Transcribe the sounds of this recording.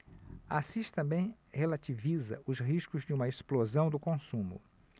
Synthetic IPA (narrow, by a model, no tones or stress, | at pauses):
asiʃt̪ɐ̃mbẽj̃ | helat͡ʃivizɐ̰ʔʊsɦiʃkʊzd͡ʒɪũmɐesplozɐ̃w̃d̪ʊkõsũmʊ̰